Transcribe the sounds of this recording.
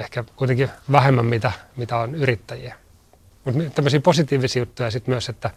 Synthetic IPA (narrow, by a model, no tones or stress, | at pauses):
ehkækuit̪eŋkiʋæhemːæmmit̪æmit̪æonyrit̪ːæjiæ | mut̪mit̪æmːøsiːposit̪iːʋisiːjut̪ːujɑsit̪myøset̪ːæ